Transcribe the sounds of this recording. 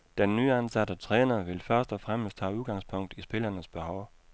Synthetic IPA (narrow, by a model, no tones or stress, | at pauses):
d̥enːyːænsæd̥ət͡sʰʁɛːnɐʋe̝lfɶɐsd̥ɒfʁam̰əsd̥hɑ̰ːuðˠɡ̥ɑ̈ŋspʰɔ̽ŋ̰d̥isb̥e̝lɐːnəsb̥e̝hɒʊ